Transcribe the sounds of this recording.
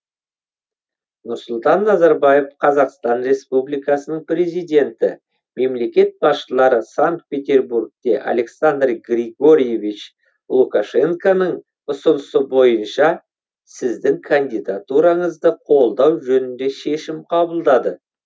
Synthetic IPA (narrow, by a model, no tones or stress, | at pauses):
nʊɾsʊlˠt̪ɑnːɑzɑɾbɑje̞fqʰɑzɑqst̪ɑnɾe̞spublijkɑsənəɴpɾʲe̞zijd̪ʲe̞nt̪ɪ̰ | me̞mle̞kʲe̞t̪̚bɑsʃəlˠɑɾəsaŋk̚t̪̚pʲe̞t̪ʲe̞rburk̚t̪e̞ʔa̰le̞ksand̪rɡrʲiɡo̞ɾʲijevʲit͡ʃ | lˠukaʃe̞ŋkanəɴ | ʊsənəsəbo̞jənʃɑ | sɪzd̪ɪŋkʰand̪ijd̪at̪uɾɑɴəzd̪əqʰo̞lˠd̪ɑwʒɵnɪnd̪e̞ʃe̞ʃɪmqʰɑbəlˠd̪ɑd̪ə